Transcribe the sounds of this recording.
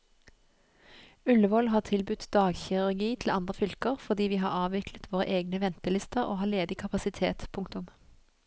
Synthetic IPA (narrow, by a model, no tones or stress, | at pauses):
ʉləʋɔlɦɑːʁt̪ʰɪlbʉt̪d̪ɑːɡçɪʁʉʁɡiːt̪ʰl̩ɑnd̪ʁəfʏlkəʁfɔd̪iːʋiːɦɑ̰ːʁɑːʋɪklət̪ʋoːʁə̰ʔeːɡnəʋɛnt̪əlɪst̪əʁo̰ːhɑːleːd̪ɪkʰɑpɑsɪt̪ʰḛːt̪pʰʊŋkt̪ʊm